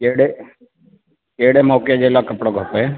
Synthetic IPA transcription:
eːɽe | eːɽemɔːkjed͡ʒelakəpɽoɡʱəpoe

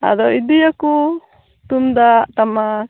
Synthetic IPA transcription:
a̰d̪ɔid̪ijaku | t̪umd̪at̪ama

